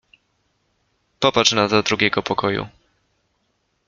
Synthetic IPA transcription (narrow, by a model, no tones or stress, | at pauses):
pɔpat͡ʂnazɔd̪ɾuɡʲɛɡɔpɔkɔjṵ